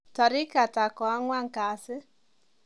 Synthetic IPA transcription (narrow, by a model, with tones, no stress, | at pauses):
tɔ˨ɾɪ˦ka˨ta˨kɔ˨a˦ŋwa˦ŋ˨ka˨sɪ˦